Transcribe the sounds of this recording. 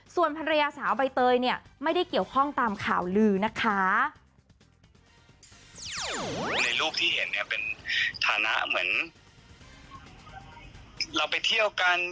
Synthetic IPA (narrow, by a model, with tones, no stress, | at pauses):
su˨˩ənpʰa˧ɾa˧jaː˧saː˩˦wba˧jt̪ɤː˧jni˥˩ɐma˥˩jda˥˩jki˨˩əwkʰɔ˥˩ŋt̪aː˧mkʰaː˨˩wlɯː˧na˦˥kʰːa˦˥ | na˧jluː˥˩k̚t̪ʰiː˥˩he˩˦nːi˥˩ɐpe˧nt̪ʰaː˨˧na̰˦˥ʔmɯ˩˦ən | la˧wpa˧jt̪ʰi˥˩əwka˧n